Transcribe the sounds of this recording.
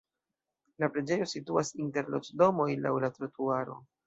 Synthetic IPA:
lapɾe̞d͡ʒe̞jo̞situasinte̞ɾlot͡ʃdo̞mo̞jla̰wlatɾatuaɾo̞̰

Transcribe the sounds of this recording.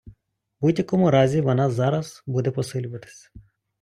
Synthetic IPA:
budʲjɐkɔmʊɾɑzʲiʋɔnɑzɑɾɐzbud̪ɛpɔsɪlʲʊʋɐt̪ɪ̥sʲɐ̥

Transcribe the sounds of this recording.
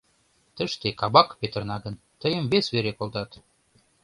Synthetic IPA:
t̪ə̆ʃt̪ekɑbɑkpet̪ə̆rnɑɡə̆n | t̪əjə̆mvesβeɾekolˠd̪ɑt̪

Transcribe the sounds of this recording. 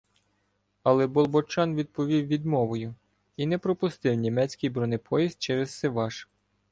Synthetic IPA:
ɐlˠɛbɔlˠbɔt͡ʃɑnʋʲid̪̚pɔʋʲiwʋʲid̪mɔʋɔjʊ | inɛpɾɔpʊst̪ɪwnʲimɛt͡sʲkʲijbɾɔnɪpʰɔjiz̚ʲt͡ʃɛɾɛzsɛʋɑʃ

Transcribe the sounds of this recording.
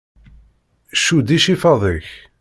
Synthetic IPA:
ʃud̪iʃifɑðˤəç

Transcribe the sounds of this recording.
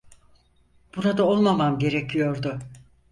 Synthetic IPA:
b̥uɾad̪ao̞lˠmamamɟe̞ɾecʰijo̞ɾd̪ʊ

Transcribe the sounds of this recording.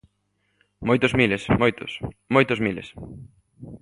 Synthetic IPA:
mojt̪ozmilesmojt̪o̰smojt̪ozmilḛs

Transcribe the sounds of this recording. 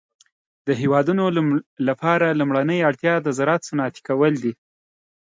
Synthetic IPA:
d̪əɦewɑd̪unolapɑɾalumɽanəjaɽt̪jɑd̪əzaɾɑt̪sənɑt̪i̥kawəld̪i

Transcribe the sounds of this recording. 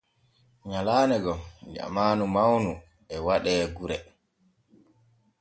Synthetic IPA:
ɲalaːnɛɡɔd͡ʒa̰maːnumawnu | ɛwaɗɛːɡuɾɛ

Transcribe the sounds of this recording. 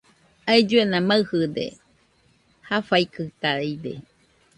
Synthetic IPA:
aed͡ʒuenãmaɨhɨd̪ḛ | hafaikɨt̪aad̪ḛ

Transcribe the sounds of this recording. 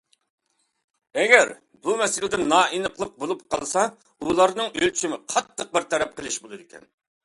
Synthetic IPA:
ɛɡʲɛɾ | bumɛsɪlɪd̪ɛnɑːʔinəqlˠəq̚bolˠup̚qʰɑ̰lˠsɑ | ulˠɑɾnɨŋølt͡ʃʰimɪqʰɑt̪ʰːəq̚bɪɾt̪ʰɛɾɛp̚qʰəlˠɪʃbolˠɨd̪ɪkʲʰɛ̰n

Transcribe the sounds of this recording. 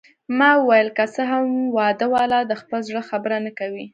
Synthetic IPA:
mɑəwajəlkat͡səɦamwɑd̪əwɑlɑd̪əxpəlzɽəxabəɾanakawi

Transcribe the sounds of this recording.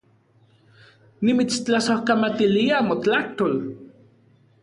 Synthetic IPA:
nimit͡st͡ɬasohkamat̪iliamot͡ɬaht̪ol

